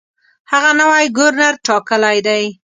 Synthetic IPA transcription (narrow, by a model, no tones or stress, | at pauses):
haɣanawajɡʊɾnaɾʈɑkəlajd̪aj